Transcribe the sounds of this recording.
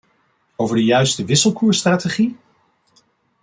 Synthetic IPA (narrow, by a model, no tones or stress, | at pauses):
owvəɹdəjœɥstəʋɪsəlˠkuːstraːteχi